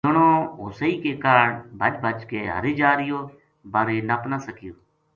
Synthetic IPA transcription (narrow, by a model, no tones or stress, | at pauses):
əɳõːɦʊsəiːkeːkaːɾəɳbʱəd͡ʒbʱət͡ʃkeːɦə̰ɾeːd͡ʒaːɾɪjoː | bəɾeːnəpnasəkɪjoː